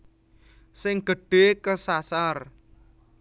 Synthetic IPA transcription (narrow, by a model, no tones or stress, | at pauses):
sɪŋɡ̥ə̤ɖ̥ekəsasar